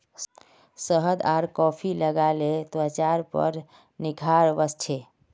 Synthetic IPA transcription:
səɦəd̪aɾkɔpʰiləɡalet̪ət͡ʃaɾpə̰ɾ | niɡʰʱaɾʋəst͡ʃʰe

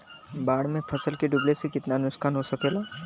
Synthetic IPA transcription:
baːɽmẽpʰɐsəlkeɖʊblesekɪt̪naənʊskaːnɦosɐkeːlaː

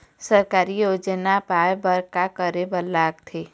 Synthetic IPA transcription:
səɾkaːɾijoːd͡ʒənapaːjbəɾkakəɾebəlːaːk̚t̪ʰe

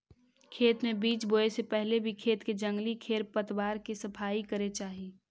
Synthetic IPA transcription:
kʰeːt̪mẽbiːt͡ʃboːesepɛɦlebʱikʰeːt̪ked͡ʒə̃ŋɡlikʰeːɾpət̪baːɾkesɐpʰaːikəɾet͡ʃaːɦiː

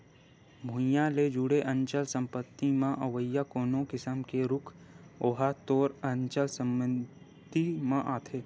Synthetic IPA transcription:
mʱʊ̃jãled͡ʒʊɽeʔə̃nt͡ʃəlsə̃mpət̪ːimãʔəʋəjakoːnõkɪsəmkeɾʊkʰ | oːɦat̪oːɾənt͡ʃəlsə̃mən | d̪imãʔaːt̪ʰeː

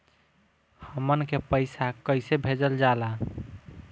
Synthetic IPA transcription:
həmənkepəɪsakəjsebʱed͡ʒəld͡ʒala

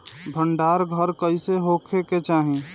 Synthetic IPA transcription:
bʱəɳɖaɾɡʱəɾkəiseɦokʰeket͡ʃaːɦĩ

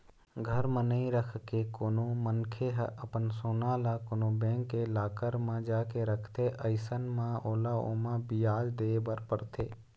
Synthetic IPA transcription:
ɡʱəɾmə̃nə̃ĩɾəkʰkekoːnõmənkʰeɦʔəpənsoːnãːlakonõbɛ̃ːŋkːelaːkəɾmãd͡ʒaːkeɾəkʰt̪eʔəɪsənmãoːlao̰ːmãbɪjaːd͡ʒd̪eːbəɾpəɾt̪ʰeː

